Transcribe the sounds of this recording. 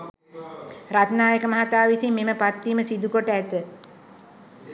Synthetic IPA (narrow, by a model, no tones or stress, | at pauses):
rat̪naːjəkəmɐɦat̪aːʋisimːeməpat̪ːiːməsid̪ukoʈəæt̪ə